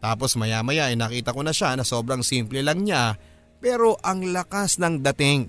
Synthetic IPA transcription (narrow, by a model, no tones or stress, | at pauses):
t̪aːpo̞smɐjaːmɐjaʔɐjnɐːkiːt̪ɐko̞nɐʃanɐso̞ːbɾɐŋsiːmplɛlɐŋɲa | pɛːɾo̞ʔɐŋlɐkasnɐŋd̪ɐt̪ɪŋ